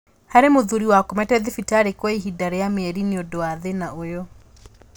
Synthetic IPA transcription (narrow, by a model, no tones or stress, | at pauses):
haɾemoðuɾiwakomɛtɛðifitaɾekwɔiɦidaɾɛjameɛɾineɔdɔaðenaojɔ